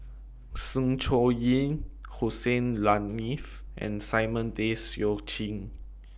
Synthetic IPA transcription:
sə̃ŋt͡ʃɔjĩŋhosẽnlanifʔɛ̰̃nsajmə̃ndesjɔt͡ʃĩŋ

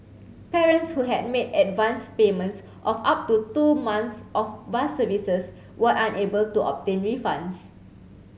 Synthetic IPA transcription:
pɛɹə̃ntshuɦɛd̚medɛtvãnspemə̃nts | ʔɔfap̚tutumãnt̪sʔɔfbasəvisəs | wəʔãnebəltuʔɔ̰p̚tẽnɹifãnds

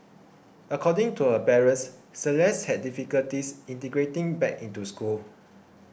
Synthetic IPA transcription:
əkʰɔdĩŋtuəpɛɹə̃nssəlɛshɛd̚difikəltisĩntəɡɹetĩŋbɛkĩntuskul

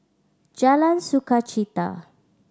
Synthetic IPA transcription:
d͡ʒalansukat͡ʃit̪a̰

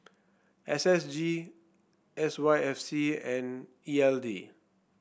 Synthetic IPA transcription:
ɛsɛsd͡ʒi | ɛswajɛfsiɛ̃n | iɛldi

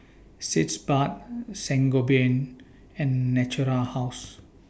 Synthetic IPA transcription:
sitsbat̚sɛ̃ŋɡobẽn | ɛ̃nːɛt͡ʃuɾahaʊs

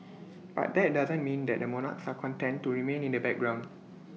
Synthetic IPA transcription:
b̥a̰t̚dɛt̚dazə̃nmĩndɛt̚dəmɔna̰ksakʰɔ̃ntɛ̃ntːuɹimẽnĩndəbɛk̚ɡɹãʊ̃nd

